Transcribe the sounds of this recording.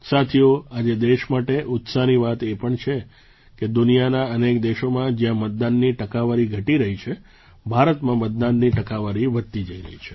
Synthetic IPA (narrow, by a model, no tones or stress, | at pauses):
sat̪ʰijoad͡ʒed̪eʃmaʈeʔʊt̪saniʋat̪epəɳt͡ʃʰe | ked̪unijanaənekd̪eʃomãd͡ʒjãmət̪̚d̪anːiʈəkaʋaɾiɡʱəʈiɾəɦit͡ʃʰe | bʱaɾət̪mãmət̪̚d̪anːiʈəkaʋaɾiʋəd̪̚t̪id͡ʒəiɾə̰ɦḭt͡ʃʰe̥